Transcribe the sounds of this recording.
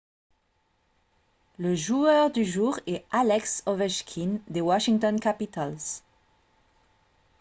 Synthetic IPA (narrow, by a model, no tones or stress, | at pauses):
ləʒuœʁd̪yʒuːʁɛalɛksovɛʃkʲʰind̪ewaʃiŋt̪ɔnkapit̪alz